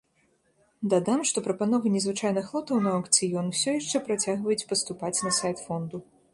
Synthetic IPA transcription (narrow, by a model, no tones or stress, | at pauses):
d̪ad̪amʂt̪ɔpɾɐpanɔvɨnʲɛzvɨt͡ʂajnɨxlˠɔt̪ɐwnɐɐkt̪sɨjɔnsʲɔjaʂt͡ʂɛpɾat͡sʲaɣvɐjut͡sʲpɐst̪upat͡sʲnɐsajt̪fɔnd̪u